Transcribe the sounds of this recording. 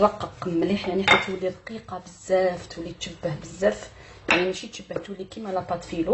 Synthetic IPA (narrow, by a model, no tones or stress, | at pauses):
ɾˤɑqːəqmːliħjaʕniħat̪ːæt̪wəlːid̪qiqɑbəzːæft̪wəlːit̪ʃəbːəhbəzːæf | janiʃit̪ʃəbːəht̪wəlːikimælæpɑt̪filu